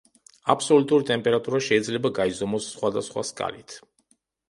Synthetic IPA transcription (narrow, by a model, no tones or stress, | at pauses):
apʰsɔlut̪ʼuɾit̪ʼɛmpʼɛɾat̪ʼuɾaʃɛid̪zlɛbaɡaizɔmɔsːχwad̪asχwa̰skʼa̰lit̪ʰ